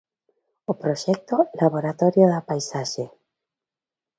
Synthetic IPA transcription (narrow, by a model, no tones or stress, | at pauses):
opɾoʃɛk̚t̪olaβoɾat̪ɔɾjoðapajsaʃe